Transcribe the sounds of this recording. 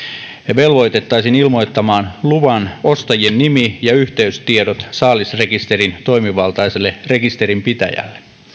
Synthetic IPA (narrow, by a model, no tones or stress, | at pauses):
ʋe̞lʋojt̪e̞t̪ːɑjsinilmo̞jt̪ːɑmɑːnluʋɑno̞st̪ɑjienːimijɑyçt̪e̞yst̪iedot̪sɑːlisre̞kist̪e̞ɾint̪o̞jmiʋɑlt̪ɑjselːere̞kist̪e̞ɾimpit̪æ̰jæ̰lːe